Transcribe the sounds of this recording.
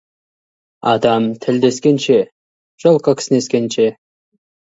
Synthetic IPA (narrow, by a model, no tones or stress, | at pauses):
ɑd̪ɑmt̪ʰɪld̪e̞skʲenʃe | ʒ̥olˠqəkʲʰɪ̥sɪneskʲenʃe